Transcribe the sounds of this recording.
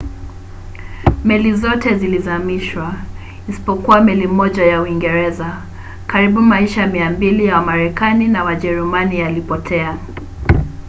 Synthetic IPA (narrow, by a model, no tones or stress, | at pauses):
mɛlizɔtɛzilizamiʃwa | isi̥pɔkuwamɛlimɔʄajauiŋɡɛɾɛza | kaɾiɓumaiʃamiambilijawamaɾɛkaninawaʄɛɾumanijalipɔtʰɛa